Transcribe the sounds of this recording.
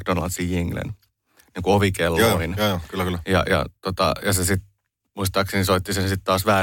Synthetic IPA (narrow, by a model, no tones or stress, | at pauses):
kdonlɑ̰nt̪sijjiŋɡlḛn | niːŋkuoʋikelːorinokylːkylːjɑ̰jɑ̰t̪ot̪ɑ̰jɑsesit̪̚ | muist̪ɑːksinisoit̪ːisensit̪t̪ɑːsʋæː